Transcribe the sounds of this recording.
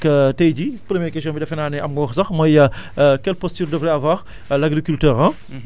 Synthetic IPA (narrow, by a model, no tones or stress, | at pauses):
kɐtɛjɟipɾəmjɛkɛs̬ɔ̃mbidɐfɛnaːnɛɐmɡɔːxsɐxmɔjɐkɛlpɔstyːrdəvɾɛavwaːʁ | laɡɾikyltɛːɾɐ̃